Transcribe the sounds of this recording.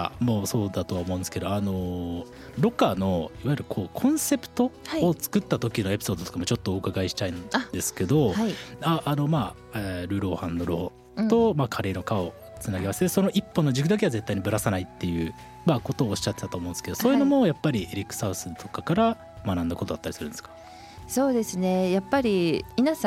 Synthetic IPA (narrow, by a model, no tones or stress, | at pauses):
mo̞ːso̞ːd̪at̪o̞βaomõ̞nesɨ̥ke̞d̪oano̞ | ɾo̞kano̞iβajɾɯ̟kʰo̞ːkʰõ̞ɰ̃se̞pɯ̟̥t̪o̞haːt͡sɨ̥kɯ̟t̪ːat̪o̞kʲino̞e̞pʲi̥so̞ːd̪o̞t̪okamot͡ɕo̞t̪ːoːɯkaɡaiɕi̥t̪aĩnd̪e̞sɨ̥ke̞d̪o̞aʔːno̞maː | eɾɯ̟ːɾo̞ːhãnːo̞ɾo̞ | t̪o̞maːkʰaɾe̞ːnokao̞ | t͡sɨnaɡe̞maset̪esono̞ʔipːo̞nːod͡ʑikɯ̟d̪ak̬e̞aze̞t̪ːaiɲ̟ibɯɾasanait̪ːe̞jɯ̟ | mako̞t̪o̞ːɕi̥t͡ɕat̪ːe̞t̪at̪oːmõːnsked̪o̞soːji̟no̞mo̞japːaɾʲieɾʲikːɯ̥saɯ̟sɨt̪o̞̥kakaɾa | manãnd̪akot̪o̞d̪at̪ːaɾisɨɾɯ̟nd̪eskḁ | so̞ːd̪e̞sɨne̞japːaɾʲimʲinasã